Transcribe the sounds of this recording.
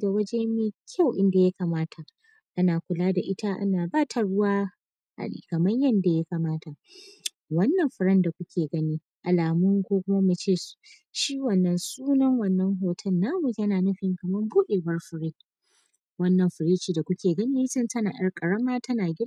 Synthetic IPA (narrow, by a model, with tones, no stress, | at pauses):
ɡa˨wɐ˦d͡ʒeː˦mi˦kʲʰa˦˨wʔɪ˦nda˨ja˦kaː˨maː˦tʰa˨ʔ | ʔa˦naː˨kʷʊ˨laː˦da˨ʔɪ˦ta˦ʔa̰˦naː˨baː˦tʰa˨ɽʊ˦waː˦ | ha̰˨ɗḭː˨kɐ˨mɐ˦ɲjɐ˦nda˨ja˦kaː˨maː˦tʰa˨ | wɐ˦nːɐ˨mɸɪ˨ɾɐ˦nda˨kʷʊ˦kʲeː˨ɡɐ˦niː˦ | ʔa˨laː˨mʊ˦ŋkʷoː˦kʷʊ˦ma˦mu˨t͡ʃeː˦˨s | ʃiː˦wɐ˨nːɐ˨nsuː˦nɐ˦ŋwɐ˦˨nːɐ˦ŋɦoː˨tʰɐ˦nːaː˦mu˨jɐ˦naː˨nʊ˦ɸɪ˨ŋkɐ˨mɐ˦mbuː˦ɗeː˨bɐ˦rɸɪ˨ɾɪ˦ | wɐ˦nːɐ˨mɸɪ˨ɾiː˦t͡ʃiː˨da˨kʷʊ˦kʲʰeː˨ɡɐ˦niː˦sɪ˦ntɐ˦na̰ː˨ɗɐ˦rkʼɐ˨ɽɐ˦maː˦tʰɐ˦naː˨ɡʲɪ˦